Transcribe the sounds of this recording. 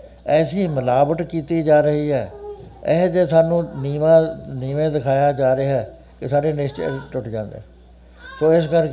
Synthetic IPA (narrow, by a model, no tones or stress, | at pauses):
ɛːsiːməlaːbəʈ̪kiːt̪iːd͡ʒaːɾəɦiːɦɛːeɦd͡ʒeːsaːnũːniːmãːniːmẽːd̪ɪkʰaːjaːd͡ʒaːɾeɛː | kɪsaːɖeːnɪst͡ʃḛʈʊʈʰd͡ʒãːnd̪ḛː | soːɪskəɾk